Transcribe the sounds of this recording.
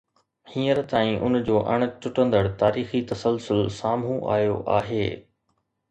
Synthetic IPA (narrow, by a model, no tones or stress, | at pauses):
hĩːəɾt̪aːĩʔʊnd͡ʑoːʔɐ̰ɽ̃ə̆t͡ɕʊʈə̃nd̪əɽt̪aːɾiːxit̪ɐsəlsʊlsaːmɦũʔa̰ːjoʔa̰ːɦeː